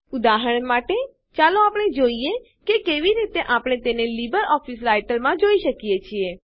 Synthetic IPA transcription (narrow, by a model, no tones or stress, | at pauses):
ud̪aɦəɳmaʈe | t͡ʃalõapɽ̃ed͡ʒoie | kekeʋiɾit̪eʔapɽ̃et̪enelibəɾɔfisɾajʈəlmãd͡ʒoiʃəkijet͡ʃʰie